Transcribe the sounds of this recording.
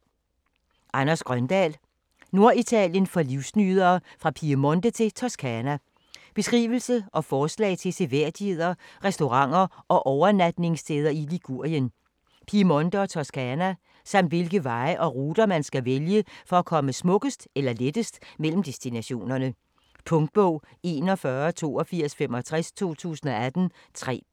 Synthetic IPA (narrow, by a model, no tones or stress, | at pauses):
ʔɑnɐsɡ̥ʁɶnd̥ɛ̰ːl | no̝ɐit͡sʰɛljənfɒ̽liʊsnyːðˠɐːfʁɑ̈pʰiəmɔ̽nd̥ət͡sʰe̝t͡sʰɒskʰænæ | b̥e̝sɡ̥ʁḭːʋl̩səʔɒ̽fɒːslɛ̰ːɪt͡sʰe̝lseʋeɐ̰d̥ihe̝ð̞̰ˠɐʁɛsd̥o̝ʁɑ̈ŋ̰ɐɒ̽ʔɒʊɐnæd̥ne̝ŋst͡sʰeːð̞ˠɐiliɡ̥uɐ̰jən | pʰimɔ̽nd̥əɒ̽t͡sʰɒskʰænæ | sɑ̈m̰d̥ʋe̝lɡ̥əʋɑ̈ɪʔɒ̽ʁuːd̥ɐmænsɡ̥æʋeljəfɒ̽ækʰɒ̽məsmɔ̽ɡ̥əsd̥elɐled̥əsd̥mel̰m̩d̥e̝sd̥inæɕo̝̰ːnɐnə | pʰɔ̽ŋd̥̚b̥ɔʊ̰ | e̝nɒfɶɐt͡sʰo̝̰ːɒ̽fiɐ̰sfem̰ɒ̽t͡sʰʁɛst͡sʰo̝̰ːt͡sʰṵːsən̩ɒ̽æd̥n̩ | t͡sʰʁɛ̰ː